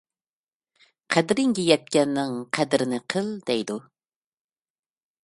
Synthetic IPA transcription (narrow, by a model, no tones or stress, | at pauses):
qʰæd̪ɾɪŋɡʲijɛt̪̚kʲɛnːɪŋqʰæd̪ɾɪnɪqʰəlˠd̪̥ɛjd̪u